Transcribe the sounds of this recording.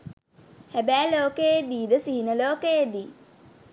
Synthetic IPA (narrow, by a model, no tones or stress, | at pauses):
hæbæːloːkəjed̪iːd̪əsiɦinəloːkəjed̪iː